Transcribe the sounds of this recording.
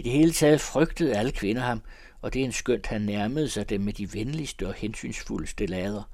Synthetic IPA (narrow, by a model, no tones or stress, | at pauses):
id̥e̝he̝ːlət͡sʰɛːð̞ˠfʁœɡ̥d̥əð̞̩ˠæləkʰʋe̝nɐhɑ̈m | ɒ̽d̥e̝e̝nsɡ̥øn̰d̥hænːæɐməð̞ˠsɑ̈ɪd̥emːed̥iʋenlisd̥əɒ̽hensy̰ːnsfuləsd̥əlɛːð̞ˠɐ